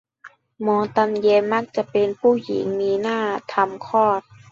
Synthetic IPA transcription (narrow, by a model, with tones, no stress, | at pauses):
mɔː˧˦t̪a˧mjeː˧nma˦˥k̚t͡ɕa˧˩˨pe˧npʰuː˥˩jḭ˨˩˦ŋmiː˧naː˥˩t̪ʰa˧mkʰɔː˥˩t̪̚